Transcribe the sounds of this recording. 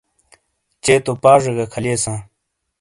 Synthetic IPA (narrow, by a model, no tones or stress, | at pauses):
t͡ɕeːt̪opaːʐeɡɐkʰɐleːsãː